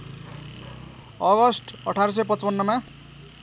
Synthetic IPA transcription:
ʌɣʌsʈʌʈʰaɾʌs̬ʌjpʌt͡spʌnːʌma

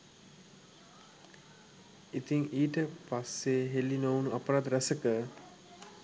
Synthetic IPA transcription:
it̪iŋiːʈəpasːeɦelinownuapəɾad̪ɾæsəkə

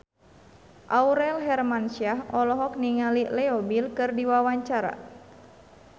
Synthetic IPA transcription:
ʔauɾɛlɦɛrmansiaɦɔlɔɦɔk̚niŋalilɛɔbilkɨrdiwawaɲt͡ʃaɾa̰

